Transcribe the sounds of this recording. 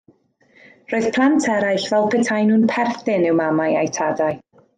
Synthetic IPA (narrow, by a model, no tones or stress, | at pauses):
roːɨð̥pʰlˠantʰɛɾajɬvɛlˠpʰɛtʰajnuːnpʰɛrθɪnɪwmamajajtʰadaj